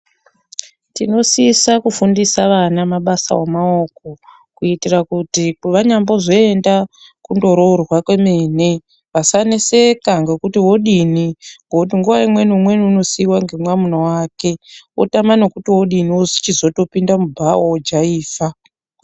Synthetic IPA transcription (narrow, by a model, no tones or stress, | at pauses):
tino̞sisakufundisaʋanamaɓasa̰womaoko̞ | kuitirakutikuʋaɲambo̞ʐo̞enda | kundo̞ɾo̞rwakwe̞me̞ːne̞ | ʋasanese̞kaŋɡe̞kutiwo̞ɗiniŋɡout̬iŋɡuʋaimwe̞nimwe̞niuno̞siwaŋɡe̞mwamunowaːke̞o̰tamanokutiwo̞ɗiniozi̥t͡ʃizo̞to̞pindamubʱaod͡ʒaiːfa